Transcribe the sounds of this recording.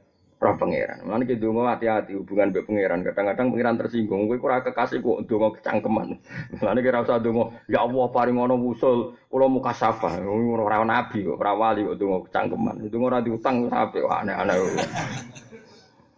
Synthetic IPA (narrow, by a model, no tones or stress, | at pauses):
ɾapəŋḛɾa̰nlaniked̪o̤ŋɔɾat̪iat̪ihub̥uŋanbɛʔpəŋeɾankaɖ̥aŋkaɖ̥aŋpəŋeɾant̪ərsiŋɡʊŋkuikuɾakəkasɪkwɔ̰ʔd̪̥o̤ŋɔkə̥t͡ʃa̰ŋkəma̰nlanikiɾausad̪o̤ŋɔjaʔwɔhpaɾɪŋɔnɔwusʊlkulɔmukasafaoɾɾawnab̥i̤kɔ̰ʔɾawaliwɔd̪̥o̤ŋɔkə̥t͡ʃa̰ŋkəma̰nd̪oŋɔɾad̪iut̪aŋsa̰pɛ̰ʔwa̰ʔnaa̰naku